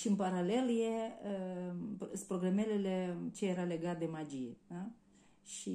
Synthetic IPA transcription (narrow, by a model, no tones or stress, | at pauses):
ʃiɨnpaɾale̞ljeə | spɾo̞ɡɾamelelet͡ʃejeɾale̞ɡat̪̚d̪e̞mad͡ʒijea | ʃi